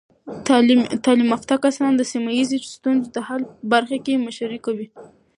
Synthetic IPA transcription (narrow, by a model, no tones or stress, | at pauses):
t̪ɑlimaft̪ɑkasɑnd̪əsimajizest̪unzed̪əhaləbaɾxakemaʃaɾikawi